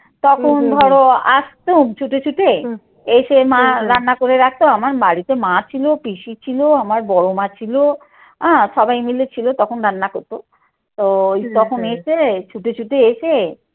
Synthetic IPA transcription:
t̪ɔkʰond̪ʱɔɽoaʃt̪omt͡ɕʰuʈet͡ɕʰuʈe | eʃemãɾanːakoɾeɾak̚ʰt̪oamaɾbaɽit̪emãt͡ɕʰilopiʃit͡ɕʰiloamaɾbɔɽomãt͡ɕʰilo | ãʃɔbajmilet͡ɕʰilot̪ɔkʰonɾanːakoɾt̪o | t̪ot̪ɔkʰoneʃet͡ɕʰuʈet͡ɕʰuʈeeʃe

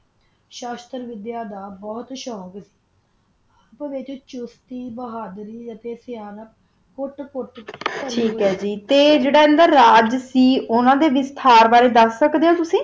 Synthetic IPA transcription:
ʃaːst̪əɾʋɪd̪jaːd̪aːbɔːt̪ʃɔːksi̥ː | apʋɪt͡ʃt͡ʃʊst̪iːbəɦaːd̪ɾiːd͡ʒət̪eːsɪjaːnəp | kʊʈkʊʈəʈʰiːkɦɛːd͡ʒiːt̪eːd͡ʒeːɽaːɪnd̪aːɾaːd͡ʒsiːʔʊnãːd̪eːʋɪst̪ʰaːɾbaːɾeːd̪əsːəkd̪eːõːt̪ʊsĩː

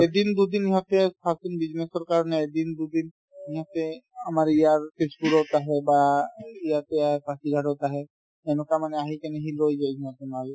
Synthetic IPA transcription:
ɛd̪ind̪ud̪iniɦɔt̪ɛpʰasinbiznesɔɹkaɹɔnɛɛd̪ind̪ud̪in | iɦat̪ɛamaɹijaɹpesbuɾɔtaɦɛbaijat̪ɛaɦɛpasidʱaɾɔtaɦɛ | ɛnɛkamanɛaɦikɛnɛɦilojzajiat̪ɛmal

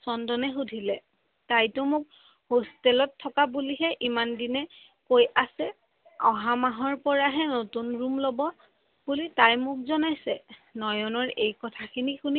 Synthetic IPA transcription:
sɔndɔnɛxudʱilɛ | tajtʊmʊk̚ | hostɛlɔtʰːɔkabuliɦɛʔimandinɛ | kojasɛ | ɔɦamaɦɔɹpɔɹaɦɛnotunɹumlɔbɔ | b̥ulitajmʊk̚zɔnajsɛnɔjɔnɔɹejkɔtʰakʰinixuni

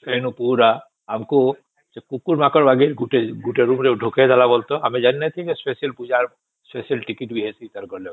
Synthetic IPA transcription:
sʰenupuɾa | amku | sɛkukuɾmakɔɹbaɡiɾɡuʈeɡuʈeɾumɾɛɖʱukɛdalabɔlt̪ɔamɛd͡ʒanːɛt̪ʰid͡ʒɛspesiɛlpud͡ʒaɹ | spesiɛlʈikiʈbiɦɛsiit̪aɾkɔɹlɛ

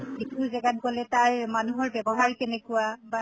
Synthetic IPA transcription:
kituzɛɡat̚ɡɔlɛtajmanuɦɔɹbɛbɔɦaɹkɛnɛkʊwaba

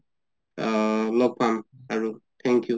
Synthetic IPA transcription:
lɔɡ̚pʰamaɹutʰɛŋkju

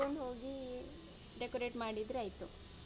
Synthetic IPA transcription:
onɖɦoːɡi | ɖekoɾeʈmaːɽid̪ɾuajt̪u

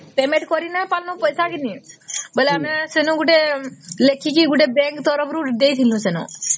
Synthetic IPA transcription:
pemẽʈkɔɾinapalnɔpɔjsakinibɔjleamesenuɡuʈelekʰikiɡuʈebɛŋkt̪ɔɾɔpʰɾud̪ejt̪ʰilũsenṵ

